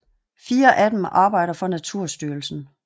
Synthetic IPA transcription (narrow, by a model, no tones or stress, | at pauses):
fiːɐʔæd̥em̩ʔɑ̈ːb̥ɑ̈ɪ̰ɾɐfɒ̽næt͡sʰuɐ̰sd̥yːɐl̩sn̩